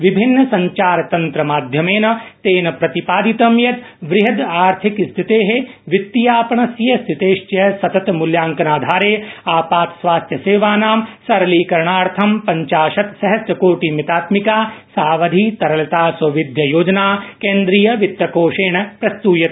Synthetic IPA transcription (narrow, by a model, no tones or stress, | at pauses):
ʋibʱinːɐsɐɲt͡ʃaːɾt̪ɐnt̪ɾɐmaːd̪ʱjɐmeːnɐt̪eːnɐpɾɐt̪ipaːd̪it̪ɐmjɐt̪ | ʋɾɪɦɐd̪aːɾt̪ʰikst̪ʰit̪eːɦeʋit̪ːijaːpɐɳɐsjɐst̪ʰit̪eːʃt͡ʃɐɦɐsɐt̪ɐt̪muljaːŋkɐnaːd̪ʱaːɾeːaːpaːt̪sʋaːst̪ʰjɐseːʋaːnaːmsɐɾɐliːkɐɾɳaːɽt̪ʰɐmpɐɲt͡ʃaːʃɐt̪sɐɦɐst̪ɐkoːʈiːmit̪aːt̪mikaːsaːʋɐd̪ʱiːt̪ɐɾɐlɐt̪aːsɐʋid̪ʱjɐjoːd͡ʒɐnaːkẽːnd̪ɾijɐʋit̪ʋɐkoːʂeːɳɐpɾɐst̪uːjɐt̪